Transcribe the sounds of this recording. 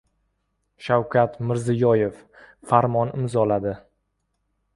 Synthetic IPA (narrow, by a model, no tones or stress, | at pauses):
ʃawkʲʰat̪mɪɾzɪjɒje̞f | faɾmɒnɪmzɒlad̪ɪ